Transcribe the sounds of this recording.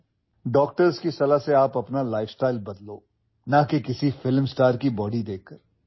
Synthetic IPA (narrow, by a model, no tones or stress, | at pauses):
ɖɔːk̚ʈəɾzkisɐlaseaːpɐpnalaːɪfsʈaːɪlbɐd̪loː | nɐkekɪsifɪlmsʈaːɾkibɔːɖid̪eːkːɐɾ